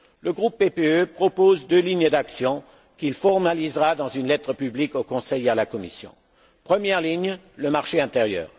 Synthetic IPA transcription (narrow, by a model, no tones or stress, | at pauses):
ləɡʁupːepeøpχɔpozd̪øliɲd̪aksjɔ̃ | kilfɔʁmalizʁad̪ɑ̃zynlɛt̪χəpyblikokɔ̃sɛjalakɔmisjɔ̰̃ | pχəmjɛʁliɲ | ləmaʁʃeɛ̃t̪eʁjœ̰ːʁ